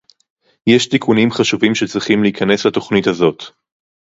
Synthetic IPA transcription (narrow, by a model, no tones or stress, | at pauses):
jeʃt̪ikʰunimχaʃuvimʃet͡sʁiχimleikʰane̞slat̪o̞χnithazo̞t̪